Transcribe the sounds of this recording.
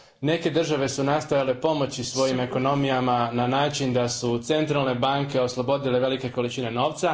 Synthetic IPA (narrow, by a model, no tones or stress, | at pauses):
ne̞ke̞d̪r̩ʒaʋe̞sunast̪ojale̞po̞mo̞t͡ɕisʋo̞jime̞ko̞no̞mijamananaːt͡ʃind̪asut̪se̞nt̪ɾalˠne̞baŋke̞o̞slˠobo̞d̪ileʋe̞like̞ko̞lit͡ʃine̞no̞ːʋt̪sa